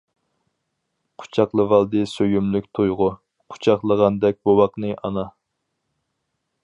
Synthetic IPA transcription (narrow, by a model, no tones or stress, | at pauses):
qʰʊ̥t͡ʃʰɑqlˠɨvɑlˠd̪ɨsøjymlykʲt̪ʰojʁʊ | qʰʊ̥t͡ʃʰɑχlˠəʁɑnd̪ɛk̚ʲbowɑqnɨʔɑ̰nɑ